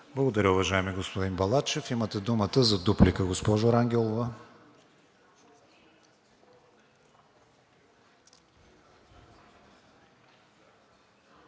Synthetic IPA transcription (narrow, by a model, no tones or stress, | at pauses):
blˠɐɡod̪ɐɾʲəʊvɐʒaɛmiɛɡospod̪inbɐlˠat͡ʃɛfimət̪ɛd̪umət̪əzɐd̪uplikəɡospɔʒʊɾaŋɡʲɛlˠovɐ